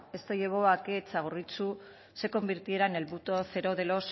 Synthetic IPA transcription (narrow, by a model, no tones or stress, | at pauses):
e̞st̪oje̞β̞o̞aket͡saɣ̞orit͡su | se̞ko̞mbiɾt̪ie̞ɾane̞lβut̪o̞θe̞ɾo̞ðe̞los